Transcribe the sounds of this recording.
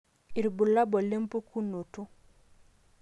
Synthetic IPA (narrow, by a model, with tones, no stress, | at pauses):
i˨ɾbu˨la˦bɔ˨le˦mpu˦ku˦no˨tu˦